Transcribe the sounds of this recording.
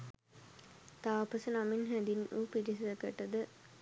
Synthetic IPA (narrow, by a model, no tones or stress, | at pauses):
t̪aːpɐsənaminɦæd̪inʔuːpiɾisiɐkɐʈːɐd̪ə